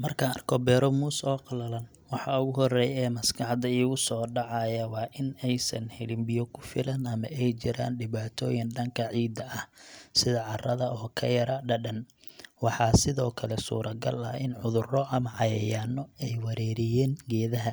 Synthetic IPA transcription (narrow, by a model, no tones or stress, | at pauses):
mɐrkʰɐɐrkʰɔbɛːɾɔmuːsɔːqɑlɐlɐn | wɑħɑʊɣʊɦɔrɛːjɛːmɐskʰɑħd̪ɐiːɣʊsɔːɖɑʕɑjɐwɑːʔɪnɛjsɐ̰nhɛlɪmbɪjɔkʰʊ̥fɪlɐnɐmɐ̰ʔɛjt͡ʃɪɾa̰ːnɖɪβaːt̪ʰɔːjɪnɖɐŋkʰɐʕiːd̪ɐɐhsɪðɐʕɑrɐðɐʔɔːkʰɐjɐɾɐɖɐɖɐnwɑħɑːsɪðɔːkʰɐlɛsṵːɾɐɡɐ̰lɐ̰ɪnʕʊðʊrɔʔɐmɐʕɑjɐjaːnɔɛjwɐɾɛːɾɪjɛːnɡɛːðɐɦɐ